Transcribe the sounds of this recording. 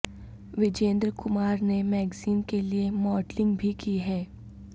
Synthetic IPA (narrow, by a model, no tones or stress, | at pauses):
ʋɪd͡ʒẽːnd̪ɾkʊmaːɾnemɛːɡziːnkeliemɔːɖlɪ̃ŋɡbʱikiɦɛː